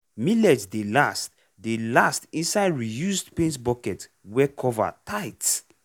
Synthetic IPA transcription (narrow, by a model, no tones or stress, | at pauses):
milɛdsdelast | delastĩnsaɪdɹijusdpẽntbɔkɛt | wɛkʰɔva̰tʰaɪts